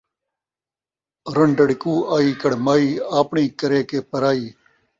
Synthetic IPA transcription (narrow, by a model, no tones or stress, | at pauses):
ɾɐɳɖɐɽɪkuːaːiːkɐɽmaːiːaːpɳĩːkɐɾeːkeːpɐɾaːiː